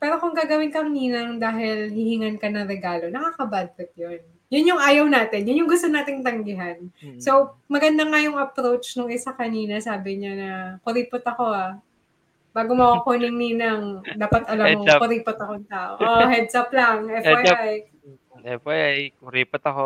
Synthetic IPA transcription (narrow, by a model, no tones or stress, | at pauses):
pɛːɾo̞kʊŋɡaːɡɐwɪnkɐŋniːnɐŋd̪aːɦɪlhɪhɪŋɐnkɐnɐŋɾɛɡaːlo̞nɐkaːkɐbad̪ɾɛt̪̚jon | jʊnjʊŋʔaːjɐwnaːt̪ɪnjʊnjʊŋɡʊst̪onaːt̪ɪŋt̪ɐŋɡɪɦansowmɐɡɐnd̪aŋajʊŋɐpɾowt͡ʃnoŋɪsakɐniːnɐsaːbɪɲanɐkʊɾiːpot̪ɐko̞a | b̥aːɡomɐwakonɪŋninɐŋd̪aːpɐt̪ʔɐlamkʊɾiːpot̪ɐkoŋt̪aːʔo̰ʔohɛd̪̚sɐplɐŋʔɛfajaj | ɛfajʔajkʊɾiːpot̪ɐko